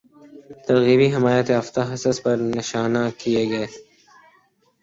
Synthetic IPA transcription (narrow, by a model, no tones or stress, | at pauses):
t̪ɐɾɣiːbiɦɪmaːjət̪eɐft̪aɦɐsəspɐɾnɪʃaːnakijeɡɐeː